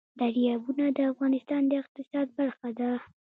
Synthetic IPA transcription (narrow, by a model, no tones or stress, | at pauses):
d̪aɾjɑbunad̪əafɣɑnɪst̪ɑnd̪əɪq̚t̪ɪsɑd̪̚baɾxad̪a